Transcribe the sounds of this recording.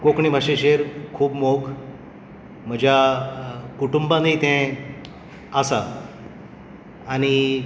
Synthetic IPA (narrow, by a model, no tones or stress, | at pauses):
kokɳibʱaɕẽɕeɾkʰuːbmok | m̤əd͡ʑʱja | kuʈumbãnit̪ɛ̃ | asa | añi